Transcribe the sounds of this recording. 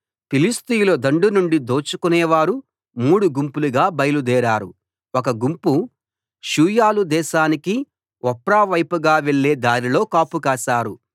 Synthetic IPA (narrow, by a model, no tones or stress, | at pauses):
pilist̪ijlod̪ɐɳɖunuɳɖid̪o̞ːt͡ʃukunɛːʋaːɾu | muːɽuɡumpuluɡaːbɐjlud̪ɛːɾaːɾṵ | ɔkɐɡumpu | ʃuːjaːlud̪ɛːʃaːniki | ɔpɾaːʋɐjpuɡaːʋe̞ɭːeːd̪aːɾilo̞ːkaːpukaːʃaːɾu